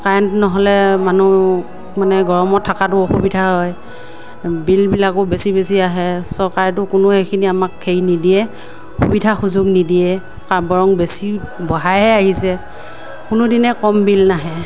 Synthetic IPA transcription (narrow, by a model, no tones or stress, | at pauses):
kaɹntnɔɦɔlɛmanu | manɛɡɔɹɔmɔtʰːakatʊoxubidʱaɦɔj | bilbilakʊbesibesiaɦɛsɔɹkaɹtʊkʊnʊhekʰiniamakʰːejnidiɛ | xubidʱaxuzʊɡnidiɛ | kabɔɹɔŋbesibɔɦajɛaɦisɛ | kʊnʊdinɛkɔmbilnaɦɛ